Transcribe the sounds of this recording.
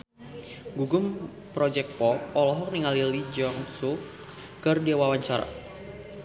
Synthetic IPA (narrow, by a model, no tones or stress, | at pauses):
ɡuɡʊm | pɾɔd͡ʒɛk̚pɔpɔlɔɦɔk̚niŋalilid͡ʒɔŋsu | kərdiawawaɲt͡ʃaɾa̰